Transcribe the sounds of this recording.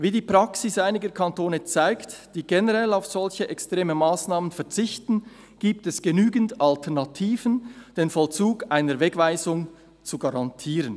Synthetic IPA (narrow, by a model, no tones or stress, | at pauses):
viːdiːpʁ̥ɑksɪsaɪnɪɡəkʰantoːnət͡saɪktd̥iːɡɛnəʁɛlaʊfz̥ɔlçəʔɛkstʁ̥eːmənmaːsnaːmənfɛɐt͡sɪçtn̩ | ɡ̥iːp̚tɛsɡ̥ənyːɡən̩tʔaltʰɛɐnatʰiːvənd̥eːnfɔlt͡suːɡʔaɪnəɾvɛɡvaɪzʊŋ | t͡suɡaʁɑntʰiːʁən